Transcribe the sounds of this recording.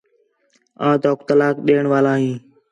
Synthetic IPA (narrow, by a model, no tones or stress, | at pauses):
ãːt̪oːkt̪əlaːkɗeːəɳʋaːlaːɦĩː